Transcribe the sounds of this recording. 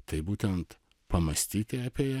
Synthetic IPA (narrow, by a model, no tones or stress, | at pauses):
t̪ɐɪbuːt̪ʲɛnt̪ | pɐmɐsʲt̪ʲiːt̪ʲeɐpʲeːjɛ